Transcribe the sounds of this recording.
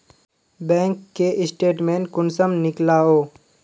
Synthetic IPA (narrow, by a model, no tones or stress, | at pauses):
bɛ̃ːŋkːeʔɪsʈeːʈmẽːnkʊnsəmnɪklaːoː